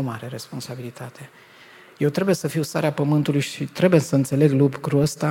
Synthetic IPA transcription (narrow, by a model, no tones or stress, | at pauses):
omaɾe̞ɾe̞sponsabilit̪ʰat̪ʰe̞ | je̞wt̪ɾe̞buje̞səfiwst̪a̰ɾeapəmɨnt̪ulujʃit̪ɾe̞bujesəɨnt̪se̞le̞ɡlubɡɾuəst̪a